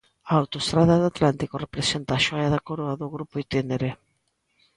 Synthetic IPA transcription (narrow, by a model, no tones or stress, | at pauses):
aawt̪oest̪ɾaðaðoat̪lant̪ikorepɾesent̪aːʃojaðakoɾoaðoɣɾupoit̪ineɾe